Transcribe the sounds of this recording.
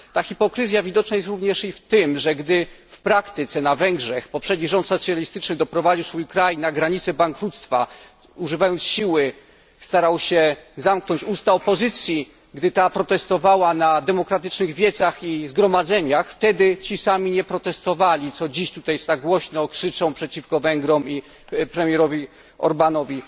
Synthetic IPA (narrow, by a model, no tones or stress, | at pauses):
t̪axʲipɔkɾɘzʲjavʲid̪ɔt͡ʂnajɛst̪ɾuvɲɛʂift̪ɘmʐɛɡd̪ɘfpɾakt̪ɪt̪sɛnavɛŋɡʐɛxpɔpʂɛd̪ɲiʐɔnt̪sɔt̪sʲjalʲist̪ɘt͡ʂnɘd̪ɔpɾɔvad͡ʑiwsfujkɾajnaɡɾaɲit̪sɛbaŋkɾut̪st̪fa̰ | uʐɘvajɔnt̪sɕiwɘ | st̪aɾawɕɛzamknɔɲt͡ɕust̪aɔpɔzɘt̪sʲji | ɡd̪ɘt̪apɾɔt̪ɛst̪ɔvawanad̪ɛmɔkɾat̪ɘt͡ʂnɘɣvʲjɛd̪zaxizɡɾɔmad̪zɛɲaxft̪ɛd̪ɘt͡ɕisamʲiɲɛpɾɔt̪ɛst̪ɔvalʲit̪sɔd͡ʑiɕt̪ut̪ajst̪aɡwɔɕnɔkʂɘt͡ʂɔ̃w̃pʂɛt͡ɕifkɔvɛŋɡɾɔmi | pɾɛmʲjɛɾɔvʲi | ɔ̰ɾbanɔvʲi